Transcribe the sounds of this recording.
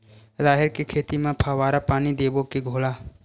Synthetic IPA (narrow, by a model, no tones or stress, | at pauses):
zaːɦɪɾkekʰeːt̪imẽpʰaːʋaːɾapaːnid̪eːbokeɡʱoːlaː